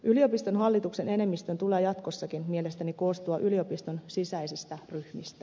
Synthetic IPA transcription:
ʔylio̞pist̪o̞nɦɑlːit̪ukse̞ne̞ne̞mːist̪ønt̪uleːjɑt̪kosːɑkinmie̞le̞st̪æniko̞ːst̪uɑʔylio̞pist̪o̞nsisæisist̪æryhmist̪æ

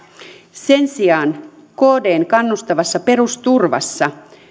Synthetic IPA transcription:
se̞nsiɑːn | koːde̞ːŋkɑnːust̪ɑʋɑsːɑpe̞ɾust̪urʋɑ̰sːɑ

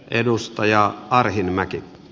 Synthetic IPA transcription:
ʔedust̪ɑjɑɑrhinmæki

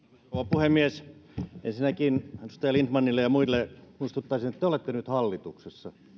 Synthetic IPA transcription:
koʋɑpuhemːiesʔḛnsinækinnust̪ɑjɑlint̪mɑnːilːejɑmuilːemuist̪ut̪ːɑisinet̪ːeolet̪ːenyt̪hɑlːit̪uksesːɑ

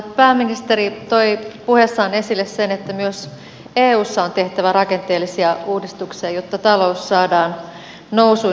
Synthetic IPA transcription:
pæːmːinist̪eɾit̪oipuhesːɑone̞silːessenet̪ːæmyøs | eːuːsːɑont̪e̞ht̪æʋærɑke̞nt̪eːlːisiɑuːdist̪uksiɑjot̪ːɑt̪ɑlo̞usːɑːdɑːn | nousu

